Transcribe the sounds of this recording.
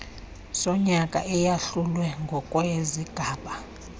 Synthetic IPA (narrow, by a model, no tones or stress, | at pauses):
sɔɲakʼa̰ʔɛjaɬulwɛŋɡʱɔkʼwɛziɡ̥ʱaːɓa